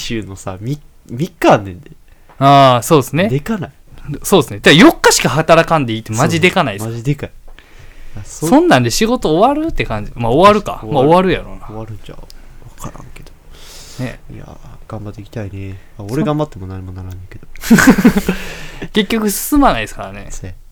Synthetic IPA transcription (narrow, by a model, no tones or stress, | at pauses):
ɕɨːno̞samʲi | mʲikːãːnːẽ̞nd̪e | aːso̞ːesɨne̞d̪ekanai | so̞ːdesɨnet̪eajo̞kːaɕi̥kahat̪aɾakãnd̪e̞it̪ːemaʑid̪e̞kanai̥id̪ekai | assõ̞nːãnd̪eɕiɡo̞t̪o̞ːβaɾɯ̟t̪ːe̞kãɲ̟d͡ʑimaoβaɾɯ̟ka̰mao̞βaɾɯ̟jaɾo̞̰naoβaɾɯ̟̃ɲt͡ɕa̰akaɾã̰ŋke̞d̪̥o | e̞ja̰ | ɡ̥ãmbat̪ːeikʲi̥t̪aine | aoɾeɡãmbat̪ːemo̞naɲimonaɾãnːẽke̞d̪o | ke̞kʲːo̞kɯ̟sɨ̥sɨmanaisɨ̥kaɾane̞̰